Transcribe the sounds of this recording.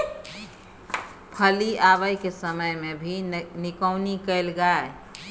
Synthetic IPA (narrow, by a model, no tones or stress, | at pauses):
pʰəliaβəjkesəməjmebʱinɪkəʊnikəelɡae